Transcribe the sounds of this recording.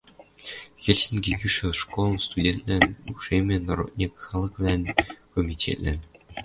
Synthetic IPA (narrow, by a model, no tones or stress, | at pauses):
xʲelʲsinʲɡʲekʲyʃĕʂkolˠɤ̆nst̪udʲent̪lʲænʲuʂemʲĕnoɾo̰t̪̚ʲnʲikʲxɑlˠɤ̆kvlʲænkomʲitʲʰḛt̪lʲæ̰n